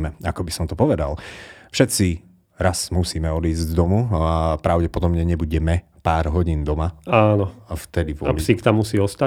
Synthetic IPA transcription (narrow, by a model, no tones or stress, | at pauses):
mɛakɔbisɔmt̪ɔpɔʋɛd̪a̰lfʃɛt̪t͡si | ɾasmusiːmɛɔd̪iːzzd̪ɔmuapɾaʊɟɛpɔd̪ɔbɲɛɲɛbuɟɛmɛ | paːɾɦɔɟiːnd̪ɔmaaːnɔaft̪ɛd̪iʋʊɔalisikt̪amːusiːɔst̪a